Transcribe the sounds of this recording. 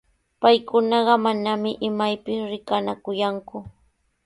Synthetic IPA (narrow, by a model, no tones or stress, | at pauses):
pajkʊnɑɢɑmanamɪʔɪmajpɪsɾɪkanakʊjaŋkʊ